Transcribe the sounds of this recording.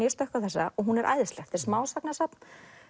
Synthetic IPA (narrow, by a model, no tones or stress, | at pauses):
ɛɾst̪œhkaθɛsːaɔɣɦunɛɾʔa̰ːjðst̪ɛxt̪ɪɾsmaːwsaknasapn